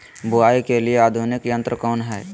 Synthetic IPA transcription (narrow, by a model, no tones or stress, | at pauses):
buaːikelieaːd̪ʱunɪkjə̃nt̪ɾəkɔːnɦɛː